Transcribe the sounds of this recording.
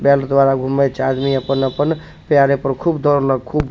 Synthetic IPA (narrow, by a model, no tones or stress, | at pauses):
bɛld̪waɾaɡʱumət͡ʃʰad̪miəpənəpən | pjaɾepəɾkʰubd̪ɔɾləɡ̚kʰub